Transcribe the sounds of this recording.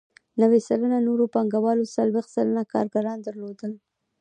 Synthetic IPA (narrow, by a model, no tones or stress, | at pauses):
nawesalananoɾopaŋɡawɑlosalbeqsalanakɑ̰ɾɡaɾɑnd̪əɾlod̪əl